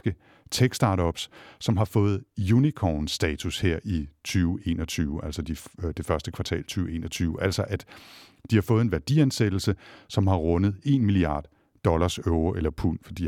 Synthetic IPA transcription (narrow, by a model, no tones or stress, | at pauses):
ɡ̥ə | t͡sʰeɡ̥sd̥ɑ̈ɾɒ̽b̥ssɒ̽mɦɑ̈fɔ̽ːð̞̩ˠjunikʰɒnsd̥ɛːt͡sʰusheɐ̰ʔit͡sʰyːʊe̝̰nɒt͡sʰyːʊʔælsɐd̥id̥e̝fɶɐsd̥əkʰʋɑ̈t͡sʰɛ̰ːlt͡sʰyːʊe̝̰ːnɒt͡sʰyːʊʔæl̰sɒʔæd̥ | d̥ihɑ̈fɔ̽ːð̩ˠe̝nʋæɐd̥ḭænsed̥l̩səsɒ̽mɦɑ̈ʁɔ̽nəð̞̩ˠe̝nmiliɑ̰̈ːd̥ː | ɒ̽lɐsøʊʁɐʔelɐpʰun̰fɒd̥ḭ